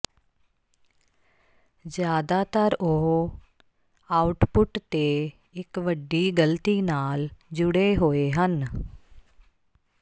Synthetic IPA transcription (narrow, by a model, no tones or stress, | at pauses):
zjaːd̪aːt̪əɾoɦ | aːʊʈpʊʈt̪eː | ɪkʋəɖːiːɡəlt̪iːnaːld͡ʒʊɽeːɦoːeːɦən